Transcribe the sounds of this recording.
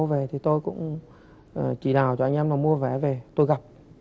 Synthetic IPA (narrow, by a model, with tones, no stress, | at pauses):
wve˨˩t̪ʰi˨˩t̪o˧jkʊ̰˧˥ŋ͡m | ʔəː˨˩t͡ɕi˧˩ɗaː˨˩wt͡ɕɔ˧ʔa˧ŋ̟ʔɛ˧mlaː˨˩mu˧əvɛ˧˩˦ve˨˩t̪o˧jɣa˨˩p̚